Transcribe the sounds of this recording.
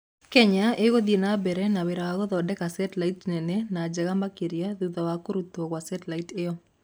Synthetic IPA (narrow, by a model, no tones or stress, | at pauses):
kɛɲaeɡod̪enabɛɾɛnawɪɾawaɡɔðɔdɛkasɛtlaitnɛnenad͡ʒɛɡamakeɾjaðuðawakoɾut̪okwasɛtlaitɪɔ